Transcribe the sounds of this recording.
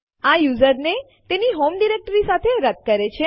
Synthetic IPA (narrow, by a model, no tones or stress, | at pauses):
ajuzəɾne | t̪eniɦomɖiɾek̚ʈəɾisat̪ʰeɾəd̪̚kəɾet͡ʃʰe